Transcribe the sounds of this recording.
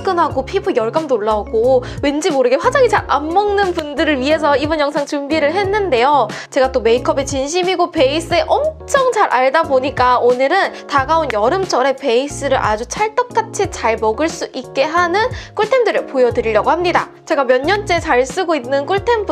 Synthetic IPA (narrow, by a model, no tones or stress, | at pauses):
k͈ɯnɦaɡopʰibɯjʌɭɡamnoɭːaoɡowe̞nd͡ʑimoɾɯɡe̞ɸwad͡ʑaŋit͡ɕaɾamːʌŋnɯnpundɯɾɯɭɥiɦe̞s̬ʰʌibʌnjʌŋsʰaŋt͡ɕumbiɾɯɭɦe̞nːɯnde̞jot͡ɕe̞ɡat͈ome̞ikʰʌbe̞t͡ɕinɕ̬ʰimiɡope̞is͈ɯe̞ʔʌmt͡ɕʰʌŋt͡ɕaɾʔaɭdaboɲik͈aonɯɾɯntaɡaonjʌɾɯmt͡ɕ͈ʰʌɾe̞pe̞is͈ɯɾɯɭʔa̰d͡ʑut͡ɕʰaɭt͈ʌk̚k͈at͡ɕʰit͡ɕaɭmʌɡɯɭs͈uʔik̚k͈e̞ɦanɯnk͈uɭtʰe̞ndɯɾɯpojʌdɯɾiʎjʌɡohamɲida̰ | t͡ɕe̞ɡamjʌɲːʌnt͡ɕ͈e̞t͡ɕaɭs͈ɯɡoinːɯnk͈uɭtʰe̞mbʰ